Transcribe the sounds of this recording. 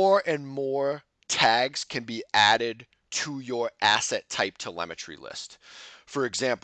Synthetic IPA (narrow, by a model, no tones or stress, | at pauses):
ɹɨ̃nmɔɹ | tʰæɡz̥kʰɨ̃nbiʔæɾɪd̚ | tʰəjə˞ʔæsɛtʰːaɪp̚tʰəlɛ̰mɨt͡ʃɹ̥ḭlɪ̰stfə˞ɨɡzæ̃mp